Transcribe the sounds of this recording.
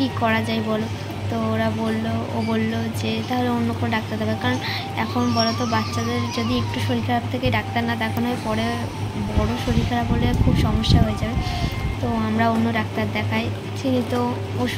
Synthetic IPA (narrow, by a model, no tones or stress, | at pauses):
ʈikːɔɾad͡ʑaebɔlo | t̪ooɾabolːoobolːod͡ʑet̪aɦoleonːokonoɖak̚t̪aɾd̪abekaɾon | ɛkʰonbɔlot̪obat̪ːɕad̪eɾd͡ʑod̪iek̚ʈuʃoɾikʰaɾat̪ʰekejɖak̚t̪aɾnad̪akʰonɔepɔɽe | bɔɽoʃoɾikʰaɾabolekʰubʃɔmoʃːaɦoed͡ʑabet̪oamɾaonːoɾak̚t̪aɾd̪ɛkʰae | t͡ɕʰinit̪o | oʃ